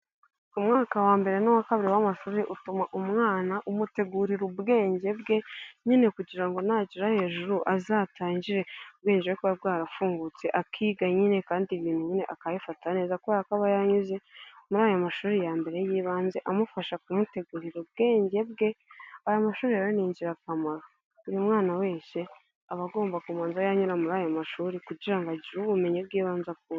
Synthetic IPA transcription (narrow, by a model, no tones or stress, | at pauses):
umŋaːkawaːmbe̞ɾe̞nowakaβiɾiwamaʃuːɾeʔutumaʔumŋaːnaʔumute̞ɡuɾiɾubɡe̞ːɲɟe̞bɡe̞ɲine̞kuɟiɾaŋɡo̞naːɟiɾahe̞ːʒuɾuʔazaːtaːɲɟiɾe̞ubɡeːɲd͡ʒewekuβab̚ɡaːɾafuːŋɡut͡se̞ʔakʰiːɡaɲine̞kaːndiβiːn̥huɲine̞ʔakajifataneːzakueakaβajaɲuze̞muɾaːjomaʃuːɾijaːmbe̞ɾe̞jiːβaːnze̞ʔamufaʃakumute̞ɡuɾiɾub̚ɡe̞ːɲɟe̞b̚ɡe̞ajomaʃuːɾiaɾaniːɲɟiɾakamaɾa | uɾumŋaːnawe̞ːɲse̞ | aβaɡo̞ːmbakumaːnzajaɲuɾamuɾaːjomaʃuːɾikuɟiɾaŋɡaɟiɾuβume̞ɲib̚ɡiːβaːnzak̚uɾ